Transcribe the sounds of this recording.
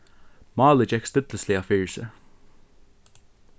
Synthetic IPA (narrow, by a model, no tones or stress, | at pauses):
mɑːləd͡ʒɛkst̪əd̪ləsliafɪːɹsə̰